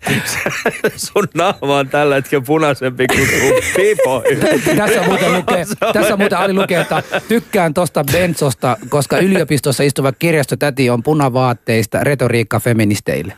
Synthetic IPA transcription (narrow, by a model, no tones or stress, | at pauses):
sesunnɑhʋɑont̪ælːæet̪kepunɑsempikut̪upipoit̪æsːæmuːt̪elukeːstæsːæmuːt̪eʔolilukeːt̪ːɑt̪ykːæːnt̪ost̪ɑbent̪sost̪ɑkoskɑyliopist̪osːɑist̪uʋɑk̚kirjɑst̪ot̪æt̪iompunɑʋɑːt̪ːeist̪ɑ̰ret̪oriːkːɑfeminist̪ḛilːe